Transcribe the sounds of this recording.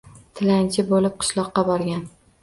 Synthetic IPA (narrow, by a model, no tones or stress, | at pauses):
t̪ʰɪlant͡ʃʰɪbolɪp̚qʰɨ̥ʃlˠɒqːɑbɒɾɡʲan